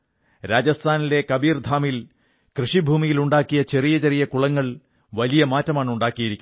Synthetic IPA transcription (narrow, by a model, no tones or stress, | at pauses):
ɾaːd͡ʑɐst̪ʰaːnile̞kɐbiːrd̪ʱaːmil | krɨʂibʱuːmijiluɳɖaːkːijɐt͡ɕe̞rijɐt͡ɕerijɐkuɭɐŋːɐɭ | ʋɐlijɐmaːtːɐmaːɳuɳɖaːkːijiɾikʲːu